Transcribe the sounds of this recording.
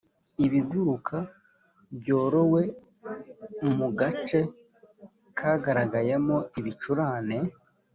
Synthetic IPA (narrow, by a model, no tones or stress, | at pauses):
iβiɡuɾukʰa | bɟo̞ːɾo̞we | muɡat͡ʃe̞ | kʰaɡaɾaɡajemo̞iβit͡ʃuɾaːne̞